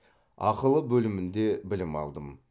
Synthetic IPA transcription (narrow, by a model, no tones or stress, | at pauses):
ɑ̰qəlˠəbɵlɪmɪnd̪e̞bɪlɪmɑ̰lˠd̪əm